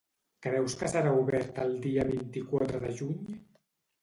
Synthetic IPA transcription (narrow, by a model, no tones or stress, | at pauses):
kɾɛwskəsəɾauβɛɾt̪əlˠd̪iəβint̪ikwat̪ɾəðəʒuɲ